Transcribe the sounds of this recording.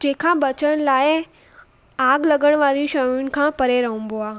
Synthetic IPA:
d͡ʑẽːkʰãbɐt͡ɕəɽ̃laːɪ | aːɡlɐɡəɽ̃ʋaːɾiũʃɐuʊnɪ̆kʰãːpɐɾeɾɐɦũmboaː

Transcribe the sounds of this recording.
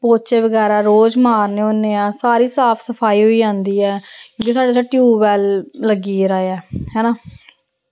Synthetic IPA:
poːt͡ʃeːʋəɡɛːɾaːɾoːd͡ʒmaːɾneːonːeːãːsaːɾiːsaːpʰsəpʰaːiːɦoiːd͡ʒãːnd̪iːɛːkjõːkisaːɖeːs̬aʈjuːʋɛːlːəɡiːɾaːeɛːɦɛːnãː

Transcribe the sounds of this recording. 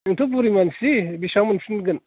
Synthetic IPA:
int̪ubuɾimansibiʃamənʃinɡən

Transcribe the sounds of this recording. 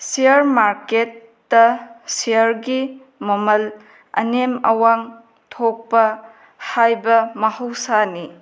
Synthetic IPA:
siɐɾmaɾketː | ɐsiɐɾɡi | mɐmɐl | ɐ̰nemɐ̰waŋ | tʰok̚pɐ | hajbɐmɐhɐwsani

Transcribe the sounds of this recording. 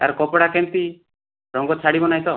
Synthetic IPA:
a̰ɾkɔpɔɽakent̪i | ɾɔŋɡɔt͡ʃʰaɽibɔnajt̪ɔ

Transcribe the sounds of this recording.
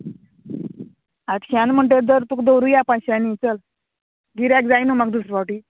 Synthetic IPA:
aʈɕanm̤əɳʈ̬ed̪əɾt̪ukd̪owɾuːjapãɕanit͡səl | ɡiɾakd͡zajnumaɡd̪usɾəʋawʈi

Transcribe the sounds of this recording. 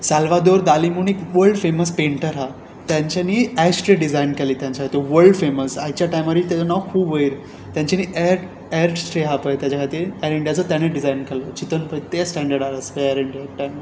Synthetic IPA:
salʋad̪oɾd̪alimuːnekʋəɾɖfeməspeɳʈəɾɦa | t̪jãɲt͡ɕaniːɛsʈɾeɖid͡zajnkeliːt̪jãɲt͡ɕakʰat̪iʋəɾɭɖfeməsaɦit͡ɕjaʈajmaɾiːt̪jaanaʋkʰuːbʋəiɾ | t̪jãɲt͡ɕaniːʔɛɾ | ɛɾʈsʈɾeɦapəjt̪jat͡ɕakʰat̪iɾɛɾiɳɖijat͡sət̪jañeɖid͡zajnkalət͡ɕit̪ənpəjt̪esʈɛ̃ɳɖəɾɽaɾaskəɛɾiɳɖijak̚ʈajm

